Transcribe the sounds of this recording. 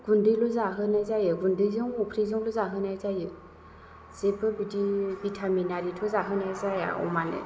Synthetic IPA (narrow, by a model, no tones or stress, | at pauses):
ɡundɯjlɔzaɦɯnajzajɯɡundɯjzɯŋɔpʰɾizɔŋlɔzaɦɯnajzajɯ | zebɯbidibitʰaminaɾitʰɔzaɦɯnajzaja̰ɔ̰manɯ̰